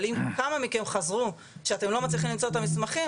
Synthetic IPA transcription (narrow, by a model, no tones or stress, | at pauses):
limkamamikemχazʁu | ʃeat̪e̞mlo̞mat͡sliχimlimt͡so̞t̪amismaχi